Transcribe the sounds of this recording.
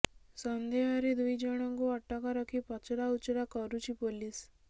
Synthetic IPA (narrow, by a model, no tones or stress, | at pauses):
sɔnd̪ʱeɦaɾid̪ujd͡ʒəɽ̃ɔŋkuɔʈːakaɾɔkʰipɔt͡ʃɾaut͡ʃɾakɔɾut͡ʃʰipolis